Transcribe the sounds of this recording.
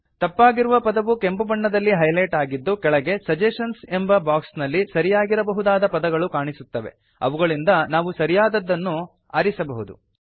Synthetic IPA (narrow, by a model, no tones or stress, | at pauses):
t̪ɐpːaːɡiɾuʋɐpɐd̪ɐʋukembɐbɐɳːɐd̪ɐlːiɦɐjlɐjʈaːɡid̪ːukɛɭɐɡe̞sɐd͡ʒeʂɐnse̞mbɐbaːksnɐlːisɐɾijaːɡiɾɐbɐɦud̪aːd̪ɐpɐd̪ɐɡɐɭukaːɳisut̪ːɐʋe̞̰ | ɐ̰ʋuɡɐɭind̪ɐnaːʋusɐɾijaːd̪ɐd̪ːɐnːu | ɐːɾisɐbɐɦud̪ṵ